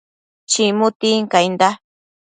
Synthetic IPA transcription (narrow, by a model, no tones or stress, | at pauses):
t͡ʃimʊt̪iŋkajnd̪a